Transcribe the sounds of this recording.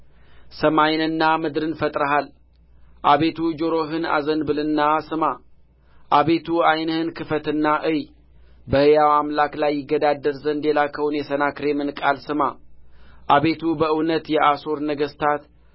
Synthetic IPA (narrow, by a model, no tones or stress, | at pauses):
səmajnɨnːamɨd̪ɾɨnfət̪ʼɾəɦal | ʔaβe̞t̪ʰud͡ʒo̞ɾo̞ɦɨna̰zənbɨlɨnːasɨma | ʔaβe̞t̪ʰuajnəhɨnkʰɨfət̪ɨnːaʔɨj | bəhɨjawamlaklajːɪɡːəd̪ad̪ːəɾzənd̪elakʰəwunjɛsənakɾemɨnkʼalsɨma | ʔaβe̞t̪ʰubəɨwnət̪jɛʔaso̞ɾnəɡəst̪ʰat̪